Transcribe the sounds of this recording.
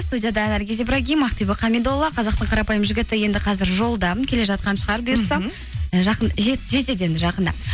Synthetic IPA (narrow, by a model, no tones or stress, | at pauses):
st̪udʲijad̪ɑnæɾɡʲe̞zibɾaɡʲijmɑχpibɪqʰɑmed̪olˠːɑqʰɑzɑqt̪əɴqʰɑɾɑpɑjəmʒɪɡʲɪt̪ɪje̞nd̪ɪqʰɑzɪɾʒo̞lˠd̪ɑkʲʰe̞le̞ʒɑt̪̚qɑnʃəʁɑɾbʊjʊɾsɑ | ʒɑqənʒetʒe̞t̪e̞d̪e̞nʒɑqənd̪ɑ̰